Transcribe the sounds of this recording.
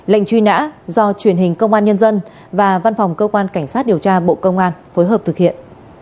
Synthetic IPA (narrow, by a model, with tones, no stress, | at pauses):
la̰˧˨jŋ̟t͡ɕwi˧na̰ː˧˥zɔ˧t͡ɕwi˧˩ənhï˨˩ŋ̟kə˧wŋ͡mʔaː˧nɲə˧nzə˧n | vaː˨˩va˧nfwŋ͡mkəː˧kwaː˧nka˧˩jŋsaː˦˥t̚ɗi˨˩əwt͡ɕaː˧ɓo̰˧˨kə˧wŋ͡mʔaː˧nfoː˨˦jɦəː˨˩p̚t̪ɨ˨k̚hḭ˧˨ən